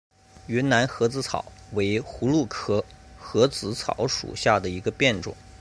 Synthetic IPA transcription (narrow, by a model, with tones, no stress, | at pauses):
ɥɛ˧˥nna˧˥nxɤ˧˥t͡sɹ̩˧˥t͡sʰɑ̰˨˩˦ʊwe˧˥ɪxu˧˥lu˥˩kʰɤ˥xɤ˧˥t͡sɹ̩˧˥t͡sʰɑ̰˨˩˦ʊʂṵ˨˩ɕja˥˩d̪ə˩i˧˥ɡə˧pjɛ˥˩nʈ͡ʂʊ̰˨˩˦ŋ